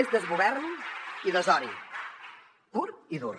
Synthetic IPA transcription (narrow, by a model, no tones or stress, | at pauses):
ezd̪əzɣuβɛɾniðəzɔɾi | puɾiðṵr